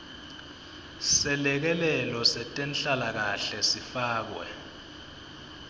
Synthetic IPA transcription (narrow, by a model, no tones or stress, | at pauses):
sɛlɛk̬ɛlɛlɔsɛtʼɛnɬalak̬aɬɛsifaːk̬wɛ̰